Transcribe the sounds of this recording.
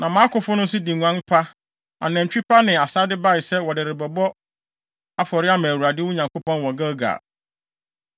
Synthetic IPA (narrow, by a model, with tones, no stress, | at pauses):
nã˨mã˦kʊ˨fʊ˦nʊ̃˦n˦s̬ɪ˦dĩ˨ŋũ˨ã˦ŋ˦pʰa˦ | a̰˨nɛ̃˨t͡ɕᶣi˦pʰa˦nɪ̃˨a˨saː˦dɪ˦ba˦ɪ˨sɛ˦wɔ˨dɪ˨ɾɪ˨bɔ˨bɔ˦ | a˦fɔ˨ɾɪ˦a˦mæ̃˨wu˨ɾa˨dɪ˦wʊ˦ɲã˨ŋko˦pɔ̃˦nwɔ˨ɡa˦ɡa̰˨